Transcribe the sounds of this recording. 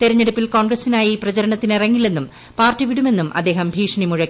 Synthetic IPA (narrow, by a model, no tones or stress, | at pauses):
t̪eɾɐɲːeɽupːilko̞ːnɡrɐsinaːjiprɐt͡ɕɐɾɐɳɐt̪ːinereŋːilenːum | paːrtːiʋiɽume̞nːumʔɐ̰d̪ːe̞ːɦɐmbʱiːʂɐɳimuɻɐkː